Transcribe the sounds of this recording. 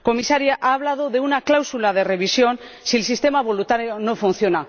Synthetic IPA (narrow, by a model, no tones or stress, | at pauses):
ko̞misaɾjaʔaːβ̞lað̞o̞ðe̞unaklawsulaðe̞re̞βisjo̞n | siels̬ist̪e̞maβo̞lut̪aɾjono̞fun̟θjo̞na